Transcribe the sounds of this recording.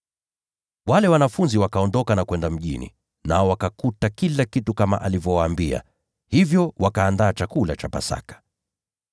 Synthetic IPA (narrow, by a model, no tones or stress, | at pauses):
walɛwanafunziwakaɔndɔkanakwɛndam̩ʄḭnḭ | naɔwakakutakilakitukama̰ʔalivjɔwaːmbia̰ | hivjɔwakaːndaːt͡ʃakulat͡ʃapa̰sa̰kḁ